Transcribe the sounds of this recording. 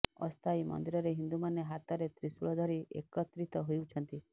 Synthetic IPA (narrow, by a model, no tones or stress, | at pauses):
ɔ̰st̪ʰajmɔ̰nd̪iɾɔɾeɦind̪umaneɦat̪ɔɾet̪ɾisuɭɔd̪ʱɔɾiʔḛkɔt̪ɾit̪ɔɦojwt͡ʃʰɔnt̪i